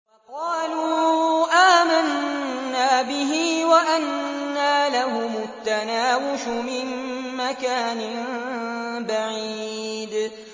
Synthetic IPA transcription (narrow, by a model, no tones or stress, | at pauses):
fɑqɑːluːʔaːmanːaːbɪɦiːwaʔanːaːlaɦʊmʊt̪ːanaːwɪʃʊmɪnːakaːnɪ | baʕiːd̪